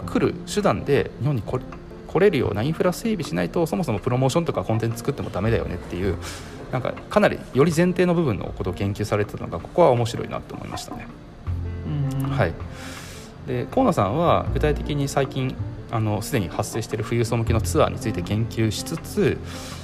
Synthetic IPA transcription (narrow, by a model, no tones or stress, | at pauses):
kʰɯ̟ɾɯ̟̰ɕɨd̪ãnd̪e̞ɲihõ̞ɲ̟ːiko | kʰo̞ɾe̞ɾɯ̟jo̞̰ːnaĩɰ̃ɸɯɾaseːbʲiɕinait̪o̞so̞mo̞so̞mo̞pɯ̟ɾo̞mo̞ːɕõnt̪okakõ̞nt̪ẽ̞t͡sɨ̥t͡sɨ̥kɯ̟t̪ːe̞mo̞d̪ame̞d̪ajo̞̰ne̞t̪ːe̞jɯ̟ː | nãŋka̰kanaɾʲḭjo̞ɾʲizẽ̞nt̪eːno̞bɯ̟bɯ̟̃nːo̰ko̞t̪o̞ɡẽ̞ŋkʲɨːsaɾe̞t̪aano̞̰ɡako̞̥ko̞βao̞mo̞ɕiɾo̞̰ḭna̰t̪ːo̰ːmo̰ḭmʔa̰ɕi̥t̪ane̞ | hai | d̪e̞ko̞ːnosãβa̰ɡɯ̟t̪ait̪e̞kʲiɲ̟isaikʲĩŋano̞sɨd̪e̞ɲ̟ihasːe̞ːɕi̥t̪e̞ɾɯ̟ɸɯ̟jɯ̟ːsomɯ̟kʲino̞t͡sɨβa̰ːɲ̟it͡sɨit̪e̞ɡẽ̞ŋkʲɨːɕi̥t͡sɨt͡sɨ